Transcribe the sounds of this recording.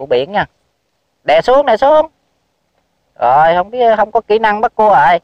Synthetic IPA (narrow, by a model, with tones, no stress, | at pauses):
ɓḭ˧˨ənɲaː˧˩ | ɗɛ˧˨˩su˨˦˥əŋɗɛ˧˨˩su˨˦əŋ | zo˨˩jhə˧wŋ͡mɓi˦˥əthə˧wŋ͡mkɔ˨˦ki˧˩˦na˧ŋɓa˦˥t̚ku˧əʔə˧˩j